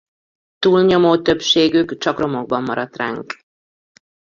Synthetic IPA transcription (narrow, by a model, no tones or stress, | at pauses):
t̪uːlɲo̞moːt̪ø̞pʃeːɡykt͡ʃɒkro̞mo̞ɡ̚bɒmːɒɾɒt̪ra̰ːŋk